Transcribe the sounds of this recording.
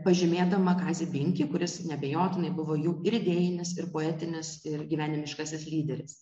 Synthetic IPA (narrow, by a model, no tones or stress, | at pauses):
pɐʒʲɪmʲeːd̪ɐmɐkɑːzʲibʲɪŋʲkʲiːkʊɾʲɪsnʲɛbʲeːjoːt̪ʲɪnɐɪbʊʋoːjuːɪɾɪd̪ʲeːjɪnʲɪsɪɾpoːɛːt̪ʲɪnʲɪsɪrɡʲiːʋʲæːnʲɪmʲɪʃkɐsʲɪslʲiːd̪ʲɛɾʲɪs